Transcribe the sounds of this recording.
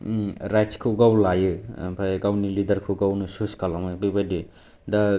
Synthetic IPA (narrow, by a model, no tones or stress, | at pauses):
ɾajtskʰɯɡawlajɯpʰajkawnilidɐɾkʰɯɡawnɯsuskalamɯbibajdi | da